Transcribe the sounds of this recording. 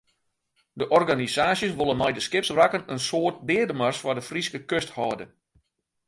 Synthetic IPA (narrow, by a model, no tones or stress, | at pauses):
dəʔɔrɡanisaːsjəsʋolˠənmɛjdəskɪpsrakənənsoːt̚dɪːədəmərsfɔdəfriskəkøsthɔːdə